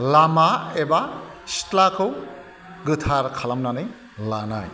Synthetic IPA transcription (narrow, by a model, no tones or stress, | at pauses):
lamaeba | si̥tlakʰɯw | ɡɯtʰaɾkʰalamnanɯj | lanaj